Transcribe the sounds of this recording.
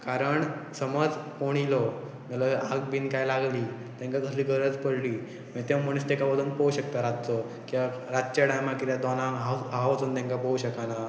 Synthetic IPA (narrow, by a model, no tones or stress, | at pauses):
kaɾəɳsəməd͡zkoɽ̃ilɔ | malaaɡbiːnkajlaɡliː | t̪ɛ̃ŋkakəsliːɡʱəɾət͡spəɽliː | mt̪ẽm̤əɽ̃ist̪ekabəd̪ʱuːnpəuɕək̚t̪aɾad̪t͡sɔ | kĩʋaɾadt͡ɕaɽajmakit̪jad̪ɔnaɦaɦaʋət͡suːnt̪ɛ̃ŋkapəuɕəkana